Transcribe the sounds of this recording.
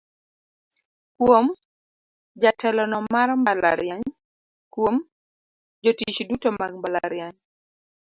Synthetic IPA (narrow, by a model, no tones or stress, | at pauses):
kwom | d͡ʒatʰɛlɔnɔmaɾmbala̰ɾjaɲ | kwom | d͡ʒotit͡ʃdutomaɡ̚mbala̰ɾjaɲ